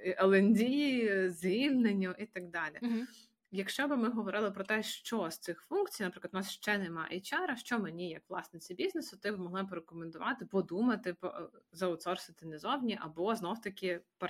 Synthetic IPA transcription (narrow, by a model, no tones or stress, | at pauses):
ʔɐlˠenʲdʲijizʲʋʲilʲnenʲːʊʔit̪ɐɡ̚d̪ɑlʲḭ | jɐkʃt͡ʃɔbɪmɪɦɔʋɔɾɪlˠɪpɾɔt̪ɛʃt͡ʃɔst̪sɪxfunktt͡sʲijnɐpɾɪklˠɐnɑsʃt͡ʃɛnɛmɑ̰ʔɛt͡ʃɑɾɐʃt͡ʃɔmenʲijɐkʋlˠɑ̰snɪt͡sʲibʲiznesʊt̪ɪbmɔɦlˠɪpɔɾekɔmend̪ʊʋɑt̪ɪpɔd̪umɐt̪ɪpɔ̰zɐʊt̪sɔrsɪt̪ɪnɛzɔwnʲiʔɐbɔznɔwt̪ɐkʲɪp